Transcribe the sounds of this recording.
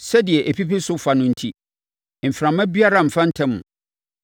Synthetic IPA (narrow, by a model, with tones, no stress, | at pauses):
sɛ˦dɪ˨ɛ˨ʔe˨pʰi˦pi˦sʊ˦fa˨nʊ̃˦n̩˦tʰi˦ | m̩˨fɾã˨mã˦bi˦a˦ɾã˨m̩˨fã˦n̩˦tʰɛ̃˦mʊ̰̃˨